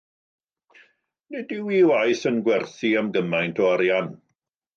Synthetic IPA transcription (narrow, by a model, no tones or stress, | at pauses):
nɛdɪwiwajθənɡwɛrθiamɡəmajntʰɔaɾjan